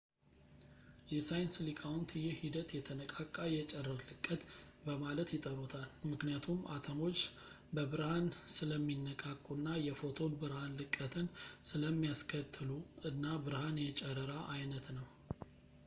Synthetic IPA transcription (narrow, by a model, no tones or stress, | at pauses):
jɛsajnslikʼawunt̪ʰɨjɛhid̪ət̪jɛt̪ʰənəkʼakʼːajɛt͡ʃʼɛrːəɾlɨkʼːət̪bəmalət̪jɪt̪ʼəɾut̪ʰalmɨknijat̪ʰumʔat̪ʰəmo̞t͡ʃː | bəβɨɾhansɨləmːinːəkʼakʼːunːajɛfo̞t̪ʰo̞nbɨɾhanlɨkʼːət̪ʰənsɨləmːijaskʰət̪ʰːɨluɨnːabɨɾhanjɛt͡ʃʼɛɾəɾaʔajnət̪nəw